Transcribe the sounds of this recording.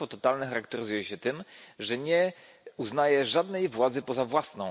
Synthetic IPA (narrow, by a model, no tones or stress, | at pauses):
fɔt̪ɔt̪alnɛxaɾakt̪ɛɾɘzujɛɕɛt̪ɘmʐɛɲɛ | uznajɛʐad̪nɛjvwad̪zɘpɔzavwasnɔ̃w̃